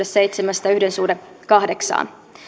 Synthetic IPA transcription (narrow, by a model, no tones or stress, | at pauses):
essejt̪semæst̪ɑyhdensuːde | kɑhde̞ksɑ̰ːn